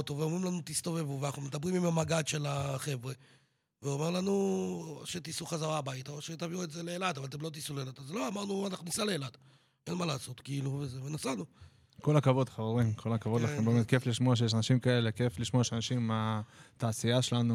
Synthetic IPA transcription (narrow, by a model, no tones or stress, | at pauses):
ot̪o̞veomʁimlanut̪ist̪o̞ve̞vuveanaχnumed̪abʁimimamaɡad̪ʃe̞laχe̞vʁe | veome̞ʁlanu | ʃet̪isuχazaʁabait̪aoʃet̪aviuetzeleːlad̪avalt̪emlo̞t̪̬isulelat̪azlo̞amaʁnuanaχnunisaleeːlad̥̪ | ʔe̞nmalaːso̞t̪kiiluvezevenasanu | ko̞lakavo̞d̪χaveʁimkʰolakavod̪laembemet̪̚kefliʃmoaʃ̬ejeʃanaʃimkae̞lekefliʃmoajeʃanaʃimat̪aːsiaʃelanu